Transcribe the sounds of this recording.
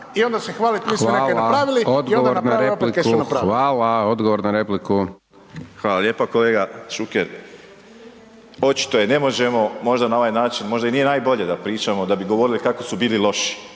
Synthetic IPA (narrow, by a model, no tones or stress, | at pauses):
io̞nd̪asexʋaːlit̪miːsʋmaeːlnaapɾaːʋiliod̪ɡoʋ̪oɾnaɾeplikesunaɾaʋaːlaod̪ɡoʋoɾnaɾepliku | xʋaːlalʎje̞ːpako̞leːɡaʃukeɾ | o̞t͡ʃi̥t̪o̞jene̞mo̞ʒe̞mo̞mo̞ʒd̪anao̞ʋajnaːt͡ʃinmo̞ʒd̪ainije̞naːjbo̞ʎe̞d̪apɾiːt͡ʃamo̞d̪abiɡo̞ʋoɾilikakosubiːlilˠo̞ʃi̥